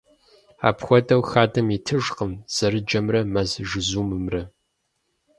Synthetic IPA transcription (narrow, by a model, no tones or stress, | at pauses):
a̰ːpxʷɔdʼɐwxaːdɐmitʰɨʒqəmz̥ɐɾɨd͡ʒɐmrɐmɐzʒɨzuːmɨmrɐ